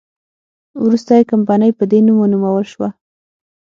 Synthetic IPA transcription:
wɾust̪ajkampɑnəjpəd̪enumonumawəlʃwa

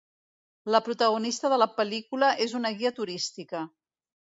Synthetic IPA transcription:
ləpɾut̪əɣ̞unist̪əðələpəlikuləʔezunəɣiət̪uɾist̪ikə

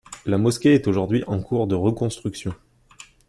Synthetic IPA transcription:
lamɔskʲeɛt̪oʒuʁd̪ɥiʔɑ̃kʰuʁd̪əʁəkɔ̃st̪χyksjɔ̃

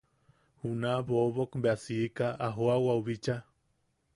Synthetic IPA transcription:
hunaβoβokmbeasiːkaʔaɦoawauβit͡ʃa

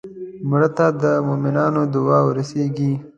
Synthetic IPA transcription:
mʊɽat̪ad̪əmomɪnɑːnod̪ʊwɑːwʊɾɐseːɡi

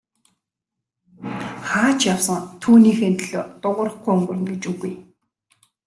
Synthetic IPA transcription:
χaːt͡ɕjawsə̆ŋt̪ʰuːniːxent̪ɮoːt̪ʊʁə̆rə̆χɡujɵŋɡɵ̆r̆nɡet͡ɕuɣuj

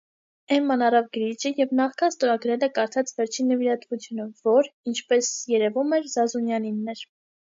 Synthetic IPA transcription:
ɛnmɑnɑrɑvɡəɾit͡ʃəjɛvnɑχkʰɑnst̪ɔɾɑɡɾɛlɛkɑɾt̪ʰɑt͡svɛɾt͡ʃʰinːəviɾɑt̪vut͡sʰjunəvɔɾint͡ʃʰpɛsjɛɾɛvumɛɾzɑzunjɑninːɛɾ

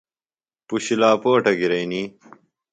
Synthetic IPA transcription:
puɕilaːpoːʈɐɡiɾɐjni

